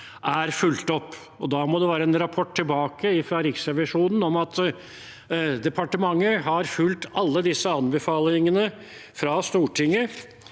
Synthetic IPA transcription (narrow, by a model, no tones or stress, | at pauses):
ʔæɾfʉlt̪ɔpː | ɔd̪ɑːmɔd̪ɛʋæːɾəɛnɾɑpʰɔʈ̪ʰːɪlbɑːkəɪfɾɑɾɪksɛʋɪʂuːnn̩ɔmɑt̪ | d̪ɛpʰɑʈəmɑŋːəɦɑɾfʉlt̪ɑlːəd̪ɪsːəɑnbəfɑːlɪŋənə | fɾɑst̪uːʈʰɪŋːə